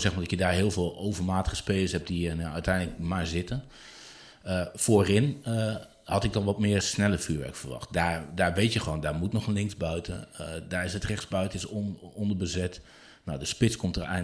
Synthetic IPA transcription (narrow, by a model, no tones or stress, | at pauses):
sɛxmaːdɔtjədaːɹɦɪːəlˠvɪːlˠowvərmaːtəɣəspeːləsɦɛp̚d̥ijənœɥtʰɛjnlək̚maɹzɪtən | əfoːrɪn | hɑtɪɡ̚dɔnʋɔtmɪːɹsnɛləfyːɹʋɛ̰ɹkfərʋɑ̰xt̚dadaːɹʋejtjəxəʋoːndaɹmutnɔχənlɪŋsbœɥtʰə̰ndaːrɪsətrɛxsbœɥtəɪsɔndəɹbəzɛt | nodəspɪskɔmtərɛ̰